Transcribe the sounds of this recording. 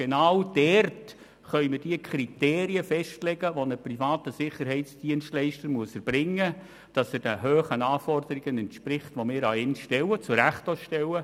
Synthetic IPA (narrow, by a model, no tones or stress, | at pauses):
ɡ̥enɑːwd̥ɛrt | χœʏmɪrd̥iəkʰɾiteːɾiəfɛʃtlɛɡəʋonəprifɑːtəsɪχəɾɦɛɪtsd̥iənstlɛɪʃtəɾmuəsəɾb̥ɾɪŋːə | d̥ɑsɛd̥ɛɦøːχənɑːfɔrd̥̪əɾiɡənɛntʃpɾɪχtʋomɪːɾɑɪnʃtɛwət͡sʊɾæχtɔʃtɛwə